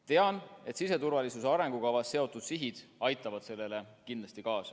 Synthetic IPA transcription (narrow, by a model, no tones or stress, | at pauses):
t̪e̞ɑne̞t̪sise̞t̪uɾvɑlisuseɑɾe̞ŋɡ̥ukɑvɑsːe̞o̞t̪ˑːud̪̥siɦid̪̥ɑjt̪ˑːɑvɑd̪̥se̞lːe̞le̞kind̪lɑst̪ikɑːsɑ